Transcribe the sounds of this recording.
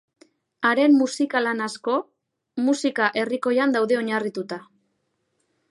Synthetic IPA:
aɾe̞mmusikalanasko̞ | musikaʔe̞riko̞jand̪awðe̞o̞ɲarit̪ut̪a

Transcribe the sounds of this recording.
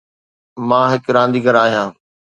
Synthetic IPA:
mãːɦɪkɾãːnd̪iːɡəɾaːɦijãː

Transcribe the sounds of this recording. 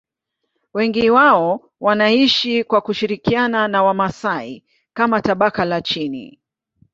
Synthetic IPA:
wɛŋɡiwaɔ | wanaiʃikwakuʃiɾikiananawamasai | kamataɓakalat͡ʃinḭ

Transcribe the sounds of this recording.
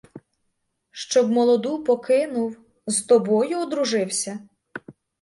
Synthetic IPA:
ʃt͡ʃɔbmɔlˠɔd̪upɔkɪnʊw | zt̪ɔbɔjʊɔd̪ɾʊʒɪwsʲɐ

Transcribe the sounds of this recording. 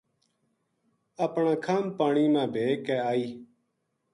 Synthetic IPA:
əpɳãːkʰaːmpaːɳiːmãːbʱeːkɛːaːiː

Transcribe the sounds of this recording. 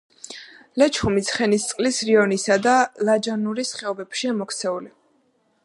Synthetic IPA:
lɛt͡ʃʰχumit̪sʰχɛnist̪sʼqʼlisɾiɔnisad̪alad͡ʒanuɾisχɛɔbɛbʃiamɔkʰt̪sʰɛuli

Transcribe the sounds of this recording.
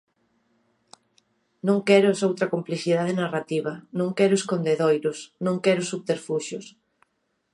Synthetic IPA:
nõŋkɛɾʊsowt̪ɾɐkompliθið̞aðenarat̪iβɐnõŋkɛɾʊeskond̪eðojɾʊsnõŋkɛɾʊsuβt̪eɾfuʃʊs

